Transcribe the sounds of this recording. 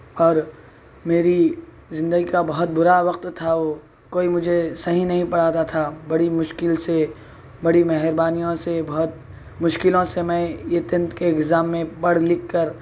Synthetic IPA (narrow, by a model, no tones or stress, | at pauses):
ɔːɾ | meːɾi | zɪ̃nd̪əɡikabɐɦʊt̪̚bʊɾaʋɐqt̪t̪ʰaʋo | koːimʊd͡ʒʱesɐɦĩnɐɦĩpɐɽ̤aːt̪at̪ʰabɐɽimʊʃkɪlse | bɐɽimɛɦɾbaːnijõsebɐɦʊt̪ | mʊʃkɪlõsemɛ̃jet̪ɪ̃nt̪keɪɡzaːmːẽpɐɽ̤lɪkːəɾ